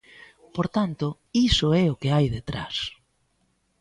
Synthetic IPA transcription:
poɾt̪ant̪ʊ | isʊɛʊkɪajðet̪ɾa̰s

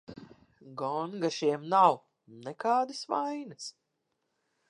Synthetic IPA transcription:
ɡɔŋɡaʃiɛmnaw | nɛkaːd̪ɨsʋajnɨs

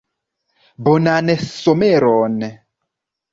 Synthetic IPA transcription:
bonanesomeɾɔn

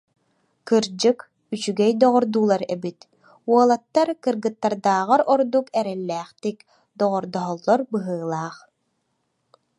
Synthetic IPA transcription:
kɯɾd͡ʑɯk | yt͡ɕyɡɛjd̪ɔʁɔɾd̪uːlˠaɾɛbit̪ | uɔlˠat̪ːaɾkɯɾɡɯt̪ːaɾd̪aːʁaɾɔɾd̪ukɛɾɛlːɛːχt̪ik | d̪ɔʁɔɾd̪ɔɦɔlˠːɔɾbɯɦɯːlˠaːχ

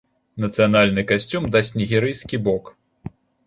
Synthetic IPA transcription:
nɐt̪sɨjanalʲnɨkasʲt͡sʲumd̪asʲtʲt͡sʲnʲiɣʲɛɾɨjskʲibɔk

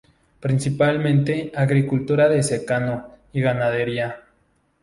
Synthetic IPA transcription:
pɾinsipalmẽnt̪eaɣɾikult̪uɾaðesekano | iɣanaðeɾja

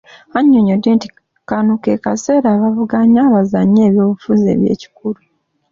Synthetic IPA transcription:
aɲːoɲodːeːnti̥ | kanuke̞kase̞ːɾaːβavuɡaɲaːβazaɲe̞ːβjo̞ːβufuze̞̰ːβje̞̰ːci̥kulu

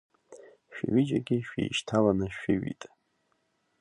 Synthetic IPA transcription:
ʃᶣɪɥid͡ʒaɡʲɪʃᶣḛjʃtʰalanɨʃᶣɪɥḭtʼ

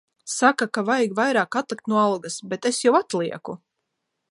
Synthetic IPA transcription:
sakakavajɡvajɾaːkat̪lˠik̚t̪nuɔalˠɡasbet̪esjawat̪lˠiɛku

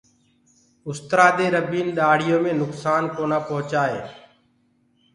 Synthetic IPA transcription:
ʊst̪ɾaːd̪eːɾəbiːnɗaːɽ̤ɪjoːmẽːnʊksaːnkoːnaːpoɦt͡ʃaːɦḛː

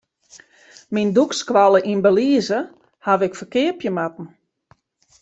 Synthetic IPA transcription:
mindukskʋalˠəʔinbəliəzə | haʋɪkfərkɪəpjəmatn̩

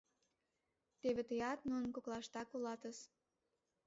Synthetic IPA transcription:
t̪eβet̪əjɑt̪nunkoklˠɑʃt̪ɑkulɑt̪əʃ

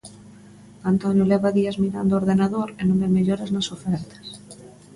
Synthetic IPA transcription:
ant̪onjolɛβaðiazmiɾand̪ooːɾðenaðoɾenõmbemeʎoɾaznasofɛɾt̪ɐ̥s

